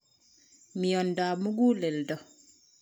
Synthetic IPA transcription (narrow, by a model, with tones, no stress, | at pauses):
mi˨jɔndaː˨mu˦ɡu˦lɛ˨ldɔ˨